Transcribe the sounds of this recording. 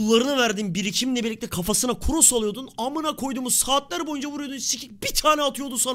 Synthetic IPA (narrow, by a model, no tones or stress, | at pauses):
lˠːaɾɯnɯvæɾd̪inbiɾicʰiminlʲɛbiɾlʲic̚t̪ʰʲɛkʰafasɯnakʰuɾusalˠujo̞d̪unamɯnakʰo̞jd̪uːmuzsaːt̪lʲˠæɾbo̞jund͡ʒavuɾujod̪unsicʰic̚bit̪ʰaːnɛat̪ʰɯjo̞d̪usan